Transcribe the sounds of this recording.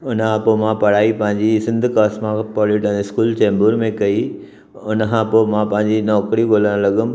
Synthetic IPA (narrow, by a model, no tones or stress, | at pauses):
ʊnãpoːmãpɐɽ̤aːipɐ̃ɦɪ̃ɲ̆d͡ʑisɪ̃nd̪ʱkaːsmãpɔːlɪʈɛ̃ɪskuːlt͡ɕẽːmbuɾmẽkɐi | ʊnkãːpoːmãpɐ̃ɦɪ̃ɲd͡ʑinɔːkɾiɡoːləɽ̃lɐɠʊm̆